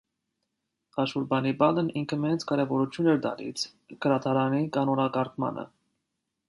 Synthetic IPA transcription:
ɑʃuɾbɑnibɑləniŋkʰəmɛnt͡sʰkɑɾɛvɔɾut͡ʃʰjunɛɾd̪ɑ̰lḭt͡sʰ | ɡəɾɑt̪ʰɑɾɑnikɑnɔnɑkɑɾkmɑ̰nʔə̰

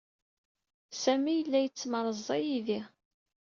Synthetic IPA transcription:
sæmijəlːæjət͡sːməɾˤəzˤːɑjiðiʁ

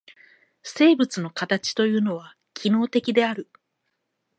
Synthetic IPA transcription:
se̞ːbɯ̟t͡sɨno̞kat̪at͡ɕi̥t̪o̞jɯ̟ːno̞β̞a | kʲʰino̞ːt̪e̞kʲid̪e̞aɾɯ̟

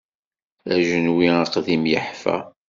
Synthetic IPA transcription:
æʒənwiəqðimjəħfæ̰

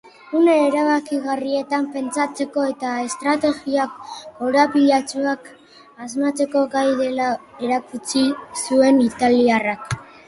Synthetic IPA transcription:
une̞ːɾaβakiɣarie̞t̪ampe̞nt͡sat͡se̞ko̞e̞t̪ae̞st̪ɾat̪e̞ɣiakːoɾapiʎat͡suak | azmat͡se̞ko̞ɡajðe̞la | eɾakut͡sisue̞nit̪aliarak

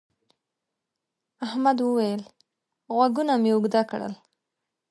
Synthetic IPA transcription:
ahmad̪wəwajəl | ɣwaɡunameʊɡd̪akɽə̰l

